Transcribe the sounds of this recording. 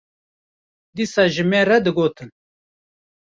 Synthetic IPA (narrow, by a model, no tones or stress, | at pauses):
d̪iːsɑːʒɨmeːɾɛd̪ɨɡoːt̪ɨn